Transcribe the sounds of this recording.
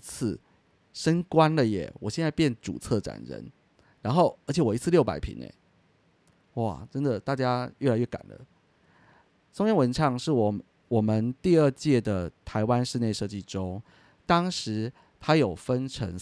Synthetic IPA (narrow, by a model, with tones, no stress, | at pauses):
t͡s̩ʰ˥˩ | ʂə˥ŋkwa˥nlə˨jɛ̰˨˩wɔ˨˩ɕjɛ˥˧nt͡sa˥˧ɪpjnʈ͡ʂṵ˨˩t͡sʰɤ˥˩ʈ͡ʂa̰˨˩nɻə̰˧˦n | ɻa˧˥nxo˥˩ʊə˞˧˥t͡ɕʰɛ˨˩wɔ˨˩i˧˥t͡sʰɹ̩˥˧ljo˥˩pa̰˨˩ɪpʰḭ˧˥˦nḛ˧˩ | wa˨˩ʈ͡ʂə˦˥nd̪ə˨t̪a˥˩t͡ɕja˥ɥɛ˥˩la˧˦ɥɛ˥˩ka̰˨˩nd̪ə̰˦ | t͡so˥ŋjɛ˥nwə˧˦˥nʈ͡ʂʰɑ˥˧ŋʂɻ̩˥˩wɔ˨˩ | wɔ˨˩mə˦nt̪i˥˧ə˞˥˧t͡ɕjɛ˥˩d̪ə˩t̪ʰa˧˦ɪwa˦nʂɻ̩˥˧ne˥˧ɪʂɤ˥˧t͡ɕi˥˩ʈ͡ʂo˥ŋ | t̪ɑ˥ŋʂɻ̩˧˥ | t̪ʰa˥jo˨˩ʊfə˦˥nʈ͡ʂʰə̰˧˥ŋ